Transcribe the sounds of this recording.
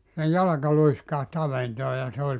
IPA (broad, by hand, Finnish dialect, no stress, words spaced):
sej jɑlɑkɑ luiskɑht ɑʋentoː jɑ se olʲ